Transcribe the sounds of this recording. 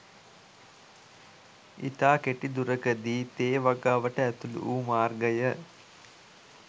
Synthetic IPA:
ḭt̪aːkeʈid̪uɾəkəd̪iːt̪eːʋaɡaʋəʈəæt̪ulṵʔuːmaːrɡəjə

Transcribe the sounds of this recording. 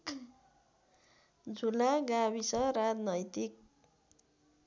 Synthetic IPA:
d͡zʱulaɡabisʌɾad͡znʌjt̪ik̚

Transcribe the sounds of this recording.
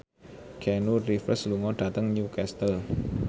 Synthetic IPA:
kʰɛnurifəsluŋɔɖ̥at̪əŋnukɛst̪əl

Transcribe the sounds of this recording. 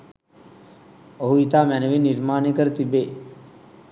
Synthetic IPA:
oɦuit̪aːmænəʋinːiɾmaːnekəɾət̪ibeː

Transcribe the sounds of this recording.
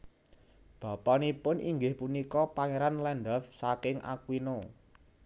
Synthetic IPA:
b̥a̤pɔnipʊnʔiŋɡɪhpunikɔpaŋeɾanlɛnɖ̪ɔfsakɪŋʔa̰kwino

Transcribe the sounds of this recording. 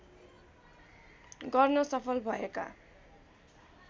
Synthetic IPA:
ɡʌrnʌsʌpʰʌlbʱʌeka̰

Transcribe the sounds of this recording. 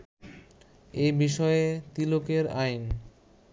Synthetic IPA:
ebiʃɔet̪ilokeɾajn

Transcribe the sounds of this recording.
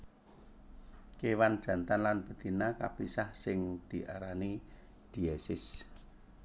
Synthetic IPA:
kewand̥ʒ̥ä̤nt̪anlanb̥ə̤t̪inaka̰pisahsɪŋd̪̥i̤ʔaɾani | d̪̥i̤ɛsɪs

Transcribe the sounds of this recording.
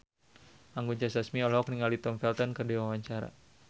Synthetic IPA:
aŋɡuɲt͡ʃasasmiɔlɔk̚niŋalit̪ɔmfɛlt̪ɔnkərdiwawaɲt͡ʃaɾa̰

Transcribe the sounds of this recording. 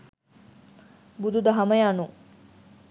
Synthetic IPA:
bud̪ud̪ɐɦɐmɐjanu

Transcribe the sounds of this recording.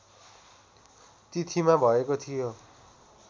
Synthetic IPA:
t̪it̪ʰimabʱʌekot̪ʰijo

